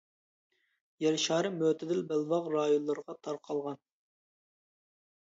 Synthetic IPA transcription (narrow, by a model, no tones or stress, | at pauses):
jɛɾʃɑːɾɨmøt̪ʰɪd̪ɪlbɛlvɑʁɾɑːjonlːˠɨɾʁɑt̪ʰɑɾqʰɑlˠʁɑn